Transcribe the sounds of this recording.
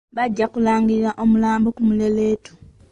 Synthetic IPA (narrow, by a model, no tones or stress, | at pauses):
βaɟːakulaːŋɡiiɾaʔo̞mulaːmbokumule̞le̞ːtu̥